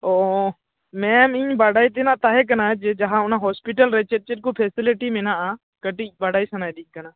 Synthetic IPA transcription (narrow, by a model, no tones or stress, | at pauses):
oː | mɛ̃mĩɲbaːɽaːit̪̬enãt̪aːɦek̬ɐnaːd͡ʒed͡ʒɐɦãʊnãɦɔːspɪʈəlɾet͡ʃet̚t͡ʃɪʈ̚kopʰeːsɪlɪʈimenaa | kəʈibaːɽaːisɐnaːjd̪ikənaː